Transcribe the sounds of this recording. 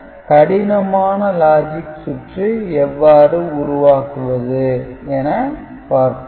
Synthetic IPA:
kɐɽɪnɐmaːnɐlaːd͡ʒɪkːsʊʈriɛʋːaːɾɯʊɾʊʋaːkɯʋɐðɯɛnɐ | paːɾkɯ

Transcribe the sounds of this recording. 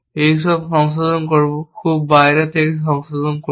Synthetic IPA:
ejs̬ɔbsɔŋs̬ɔzɔnkoɹibɔkʰubːajɹɛtekisɔŋsɔzɔnko

